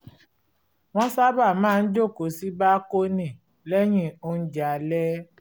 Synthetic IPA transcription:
w̃ɔ̃˦sa˦ba˦˨mãː˦˧n̩˦d͡ʒo˦˨ko˨˦si˦ba˦ko˦nĩ˨ | lɛ˦j̃ĩ˦˨o˧n̩˦d͡ʒa˨lɛ˦

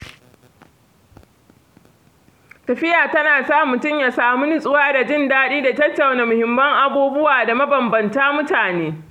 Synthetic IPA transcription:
tɐ˨ɸɪ˦jaː˨tɐ˦naː˨saː˦˨mʊ˨tʊ˦˨mjaː˨saː˨mu˦nɪ˦sʼʊ˦waː˦da˨d͡ʒɪ˦ndaː˦ɗiː˦da˨tɐ˦tːɐ˨wna˨mʊ˨hɪ˨mːɐ˦ŋʔa˨boː˦bʊ˦waː˨da˨mɐ˦bɐ˨mbɐ˨ntaː˦mʊ˦taː˨neː˦

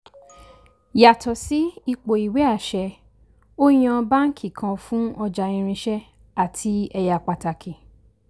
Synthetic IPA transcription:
ja˨tʰɔ˨si˨˦i˧k͡po˨i˨we˨˦a˦˨ʃɛ˧ | o˦j̃ã˧ba˦ŋ̩˦kʰi˦˨kʰã˧fũ˦ɔ˧d͡ʒa˧ĩ˧ɾ̃ĩ˧ʃɛ˦ | a˦˨tʰi˧˦ɛ˧ja˨k͡pa˨ta˨kʰi˨

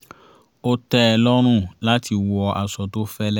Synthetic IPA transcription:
o˦tɛ˦ɛ˧lɔ˦ɾ̃ũ˦la˦tʰi˧wɔ˧a˨sɔ˨to˦fɛ˦lɛ˦

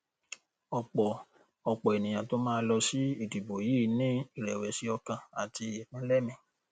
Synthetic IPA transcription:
ɔ˧k͡pɔ˨ | ɔ˧k͡pɔ˨e˨nĩ˨j̃ã˨to˦mãː˦lɔ˧si˦i˦˨di˨bo˨ji˨˦˨nĩ˦i˦˨ɾɛ˨wɛ˨si˦ɔ˧kã˧a˨ti˧e˨mĩ˨˦lɛ˦mĩ˨

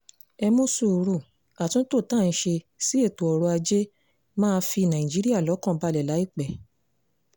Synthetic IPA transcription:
ɛ˧mõ˦su˦˨˧ɾu˦˨ | a˨tũ˦to˦˨tã˦˨n̩˧˦ʃe˧ | si˦e˦˨tu˨ɔ˨ɾo˧a˧d͡ʒe˦ | mãː˦˧˦fi˧˨nã˨ĩ˨d͡ʒi˨˦ɾi˦a˦˨lɔ˨˦kɔ̃˦˨ba˧lɛ˨la˨˦i˦˨k͡pɛ˨

